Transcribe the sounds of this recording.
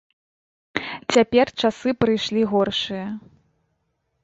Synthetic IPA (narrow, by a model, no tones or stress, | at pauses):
t͡sʲapʲɛrt͡ʂasɨpɾɨjʂlʲiɣɔrʂɨjɐ